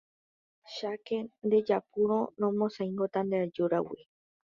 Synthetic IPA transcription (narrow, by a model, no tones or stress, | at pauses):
ʃakend̪e̞d͡ʒapuɾõnõmõsãj̃ŋɡot̪and̪ead͡ʒuɾa̰wi